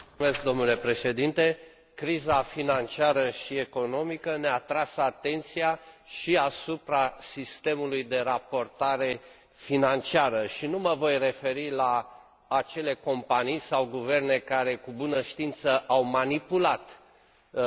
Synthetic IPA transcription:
mesk̚d̪o̞mnule̞pɾe̞ʃe̞d̪int̪e̞ | kɾizafinant͡ʃiaɾəʃie̞ko̞no̞mikəneat̪ɾasat̪e̞nt̪siaʃiasupɾasist̪e̞mulujd̪e̞ɾapo̞rt̪aɾe̞ | finant͡ʃiaɾəʃinuməvo̞jre̞fe̞ɾilaː | t͡ʃe̞le̞ko̞mpanijsawɡuve̞rne̞kaɾe̞kubunəʃt̪int̪səʔawmanipulat̪

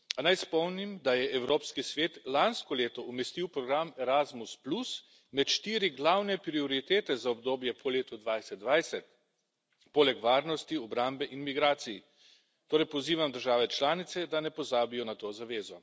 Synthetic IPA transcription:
anajspɔwnimd̪ajɛɛwɾoːpskisʋeːt̪lanskɔleːt̪ɔʔumɛst̪iwpɾɔɡɾamɛɾazmusplus | mɛt̪ʃt̪iːɾiɡlawnɛpɾiɔɾit̪eːt̪ɛzaɔbd̪oːbjɛpʰɔleːt̪ud̪ʋajsɛt̪̚d̪ʋajsɛt̪̚ | poːlɛkʋaːɾnɔst̪iɔbɾambɛʔinmiɡɾaːt̪siji | t̪oːɾɛjpɔziːʋamd̪əɾʒaːʋɛt͡ʃlaːnit̪sɛd̪anɛpɔzaːbijɔnat̪oːzaʋeːzɔ

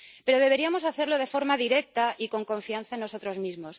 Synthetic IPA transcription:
pe̞ɾo̞ð̞e̞β̞e̞ɾiamo̞s̬aθe̞ɾlo̞ð̞e̞fo̞ɾmaðiɾe̞k̚t̪aʔiko̞ŋkõ̞ɱfianθaenːo̞so̞t̪ɾo̞zmizmo̞s

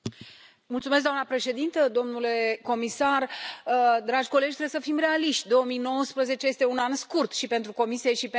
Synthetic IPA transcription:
multsumes̬kd̪amnapɾe̞ʃe̞d̪int̪əd̪o̞mnule̞ko̞misarəd̪ɾad͡ʒʲko̞led͡ʒʲt̪ɾebesəfimre̞aliʃt̪ʲd̪o̞omijno̞wəspɾəze̞t͡ʃe̞je̞st̪e̞unanskurt̪ʃipe̞nt̪ɾuko̞misijeʃip

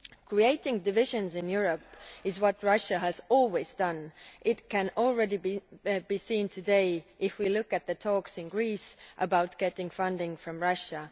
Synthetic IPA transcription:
kʰɹ̥ieɪɾɪ̃ŋdɨvɪʒɨ̃nzɨ̃njʊɹəpɨzwʌt̚ɹʌʃɨɨzɔlˠwizdʌ̃nʔɪt̚kʰɨ̃nl̩ˠɹɛɾibibisĩntʰɨdeɪʔɪfwilʊkɨt̪̚ðɨtʰɔksɨ̃nɡɹisʔəbaʊt̚ɡ̥ɛɾɪ̃ŋfʌ̃ndɪ̃ŋfɹʌ̃mɹʌʃə

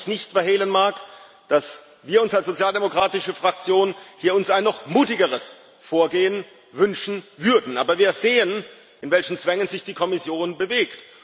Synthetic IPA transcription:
çnɪçtfɛɐɦeːlənmaːɐk | d̥as | viːɐʊnsalsz̥ot͡sjaːldemokʁ̥aːtɪʃəfʁ̥ak̚t͡sjoːnhiːɐʊnsaɪnːɔχmuːtɪɡəʁəs | foːɐɡeːən | vʏnʃn̩vʏɐdn̩ʔaːbɐviːɐzeːən | ʔɪnvɛlçn̩t͡sv̥ɛŋənzɪçd̥iːkʰɔmɪsjoːnbəveːkt

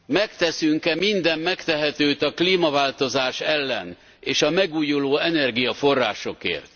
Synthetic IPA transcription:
mɛkt̪ɛsyŋkɛmind̪ɛmːɛkt̪ɛɦɛt̪øːt̪ɒkliːmɒvaːlt̪o̞zaːʃɛlːɛ̰n | eːʃɒmɛɡuːjuloːɛnɛrɡijɒfo̞rːaːʃo̞kḛːrt̪

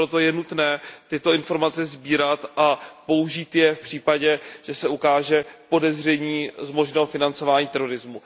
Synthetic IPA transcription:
ɾot̪o̞jɛnut̪nɛːt̪ɪt̪o̞ɪnfo̞ɾmat͡sɛzbiːɾat̪ʔapo̞uʒiːt̪jɛfpr̥iːpaɟɛʒ̥ɛsɛukaːʒɛpo̞dɛzr̝ɛɲiːzmo̞ʒnɛːɦofɪnant͡so̞vaːɲiːt̪ɛɾo̞ɾɪzmu

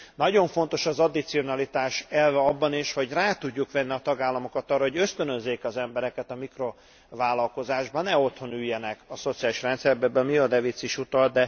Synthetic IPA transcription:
nɒɟo̞ɱfo̞nt̪o̞ʃɒzɒd̪it̪sio̞nɒlit̪aːʃɛlvɛɒbːɒniʃho̞ɟraːt̪uɟːukʋɛnːiɒt̪ɒɡaːlːɒmo̞kɒt̪ɒrːɒɦo̞ɟø̞st̪ønøzːeːkɒzɛmbɛɾɛkɛt̪ɒmikro̞ | vaːlːɒlko̞zaːʒbɒnɛo̞t̪ho̞nyjːɛnɛkɒso̞t̪sijaːliʃrɛnt̪sɛrbɛbømiɒd̪ɛvit̪siʃut̪ɒl̚d̪ɛ

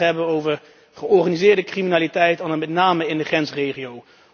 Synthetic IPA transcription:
ɦɛbənowvəɹ | χəɔɹχaːnizɪːɹdəkriminaːlitɛjtanəmɛtnaːməɪndəχrɛnsrejχiow

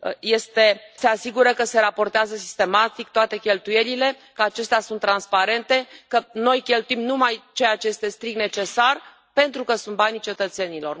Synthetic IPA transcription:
je̞st̪e̞se̞asiɡuɾəkəse̞ɾapo̞rt̪eazəsi̥st̪e̞mat̪ik̚t̪oat̪e̞kʲe̞lt̪uje̞lile̞ | kəat͡ʃe̞st̪easunt̪ːɾanspaɾe̞nt̪e̞kəno̞jkʲe̞lt̪uimnumajt͡ʃe̞jat͡ʃe̞je̞st̪e̞st̪ɾik̚t̪ne̞t͡ʃe̞sar | pe̞nt̪ɾukəsunt̪̚banit͡ʃe̞t̪ət̪se̞nilo̞r

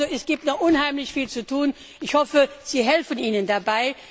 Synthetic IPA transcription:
oɛsɡ̥iːp̚tnɔʔʊnhaɪmlɪçfiːlt͡sutʰuːn | ʔɪçhɔfəz̥iːɦɛlfəniːnəndabaɪ

